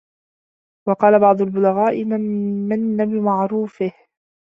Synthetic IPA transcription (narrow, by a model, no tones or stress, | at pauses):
wɑqɑːlabɑʕd̪ˤʊlbʊlaɣaːʔɪmamːanːabɪmaʕɾuːfɪh